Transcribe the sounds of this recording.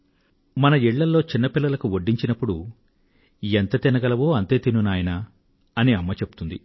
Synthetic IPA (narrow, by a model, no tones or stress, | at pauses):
mɐnɐiɭːɐlːo̞ːt͡ʃinːɐpilːɐlɐkuoɖːiɲt͡ʃinɐpːuɽu | ent̪ɐt̪inɐɡɐlɐʋoːɐnt̪e̞ːt̪inunaːjɐna | ɐniɐmːɐt͡ʃe̞pu̥t̪und̪ḭ